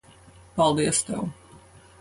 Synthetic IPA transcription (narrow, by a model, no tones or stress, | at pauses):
palˠd̪iəst̪ɛ̰w